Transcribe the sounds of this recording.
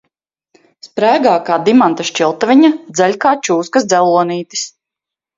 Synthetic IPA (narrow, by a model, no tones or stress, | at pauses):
spɾæːɡaːkaːd̪imant̪aʃt͡ʃilˠt̪avʲiɲad̪zɛlʲkaːt͡ʃuːskasd̪zɛlˠuɔniːt̪i̥s